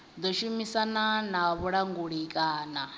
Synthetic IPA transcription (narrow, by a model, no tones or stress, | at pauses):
d̪ɔʃumisananaβuɺaŋɡuɺikʼaːna